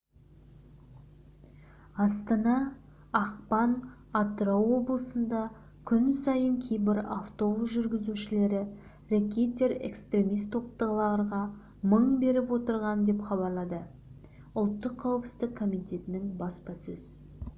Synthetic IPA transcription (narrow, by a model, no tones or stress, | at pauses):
ɑst̪ɑnɑ | ɑqpɑn | at̪ɾowwo̞blˠəsənd̪ɑ | kʲʰʏnsɑjəŋkʲʰejbɪɾaft̪o̞busʒʏɾɡʲɪzuʃɪle̞ɾɪ | rakʲet̪ʲːe̞ɾe̞̰kst̪ɾʲe̞mijst̪ʰːo̞p̚t̪əʁlˠɑɾʁɑ | məɴbe̞ɾɪpwo̞t̪əɾʁɑnd̪e̞pχɑbɑɾlˠɑd̪ə | ʊlˠt̪ːəqʰːɑwəpsə̥zt̪ɪkʰːo̞mijt̪e̞t̪ɪnɪŋbɑspɑsɵz